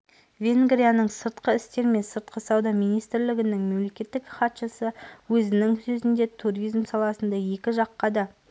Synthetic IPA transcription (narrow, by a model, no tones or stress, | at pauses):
vʲe̞ŋɡɾijanəɴsəɾt̪qəɪst̪e̞ɾme̞nsəɾt̪qəsɑwd̪ɑmijnijst̪ɾlɪɡʲɪnɪŋme̞mle̞kʲe̞t̪ːɪkχɑt̪ʃəsəwɵzɪnɪŋsɵzɪnd̪e̞t̪ʰuɾijzmsɑlˠɑsənd̪ɑje̞kʲɪʒɑqːɑd̪ɑ